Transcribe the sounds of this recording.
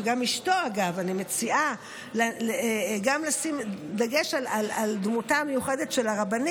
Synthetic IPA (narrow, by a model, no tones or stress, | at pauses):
ɡamiʃto̞aɡavanime̞t͡sia | laleɡamlasimd̪aɡe̞ʃalalald̪mutamejuχede̞tʃe̞laʁaban